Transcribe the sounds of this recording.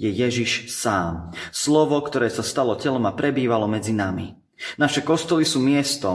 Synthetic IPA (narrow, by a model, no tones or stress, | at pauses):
jɛjɛʒiʃsaːmslɔʋɔkt̪ɔɾɛːsast̪alɔcɛlɔmapɾɛbiːʋalɔmɛd͡zinamḭ | naʃɛkɔst̪ɔlisuːmɪɛst̪ɔ